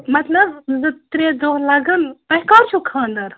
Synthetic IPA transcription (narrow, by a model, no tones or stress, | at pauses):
mɐt̪lɐbzɨt̪ɾed̪oɦlɐɡənp̪ɐɦkaɾt͡ʃʰukʰəːnd̪ɐɾ